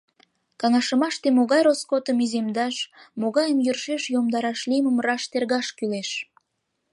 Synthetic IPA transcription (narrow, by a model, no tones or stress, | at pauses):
kɑŋɑʃəmɑʃt̪emoɣɑjroskot̪əmizemd̪ɑʃmoɣɑjəmjyrʃeʃjomd̪ɑɾɑʃliməmrɑʃt̪erɣɑʃkyleʃ